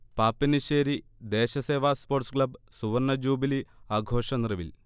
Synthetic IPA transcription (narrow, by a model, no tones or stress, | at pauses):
paːpːiniɕeːɾid̪e̞ːɕɐse̞ːʋaːspo̞ːrʈskɭɐb | suʋɐrnɐd͡ʑuːbiliaːɡʱo̞ːʂɐnirɐʋḭl